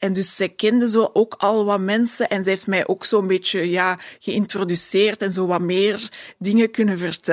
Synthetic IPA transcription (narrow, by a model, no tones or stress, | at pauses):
ɛndʏsz̥ɛjkɛndəzoːʔoːkɑlˠʋɑmɛnsəʔɛnzɛɦeftmɛjʔoːksoːənbeːt͡ʃəjaːɣəɪntrodyseːrtɛnzoːʋɑmeːrdɪŋəkʏnəvərtɛ